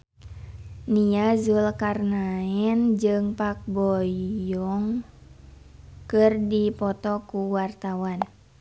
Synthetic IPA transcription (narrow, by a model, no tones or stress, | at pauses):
niazulkarnaɛnd͡ʒɨŋpak̚bɔjɔŋ | kɨrdipɔt̪ɔkuwart̪awan